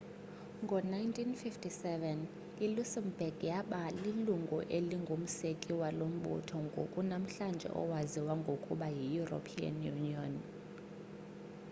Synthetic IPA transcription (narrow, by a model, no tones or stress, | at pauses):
ŋɡʱɔnajntʰʼinfiftʰʼisɛvɛn | ilusɛmb̥ɛɡ̥jaɓaliluŋɡʱṵʔeliŋɡʱom̩sekʼiwalom̩ɓṵtʰɔŋɡʱo̰kʼunam̩ɬand͡ʒʱɛ̰ʔɔ̰waziwaŋɡʱokʼṵɓajijuro̰pʰia̰njuniɔn